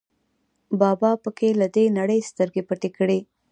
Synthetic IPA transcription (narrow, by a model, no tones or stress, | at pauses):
bɑbɑpəkelad̪enaɽəjst̪əɾɡepəʈekɽe